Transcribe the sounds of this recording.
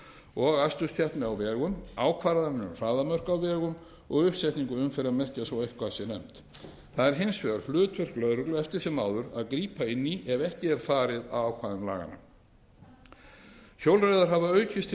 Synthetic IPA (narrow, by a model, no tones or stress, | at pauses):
ɔɣast̪ʏst̪ʰjahpnɪawvɛːɣʏmaːwkʰvaːɾaðannʏmfaːðamœr̥kawvɛːɣʏm | ɔɣʏhpsɛjt̪niŋkʏʏmfɛɾaðmɛr̥casɔwejhkvasjɛnɛm̥t̪ | θaðɛɾ̥ɦɪnsvɛɣaɾ̥flʏːt̪vʏr̥klœðɾʏklʏɛft̪ɪɾ̥sɛmaːwðʏɾaðkɾiːpaɪnːiʔɛvɛhcɪɛɾ̥faːɾɪða̰wawkʰvaːðʏmla̰ːɣa̰na̰ | çowlrajðaɾ̥ɦavaœɥcʰɪst̪